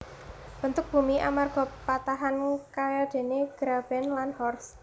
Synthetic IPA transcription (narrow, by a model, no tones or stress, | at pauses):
b̥ənt̪ʊk̚b̥ṳmiʔa̰marɡ̥ɔ̤pat̪aɦankajad̪̥e̤neɡ̥ɾab̥ɛnlanhɔrs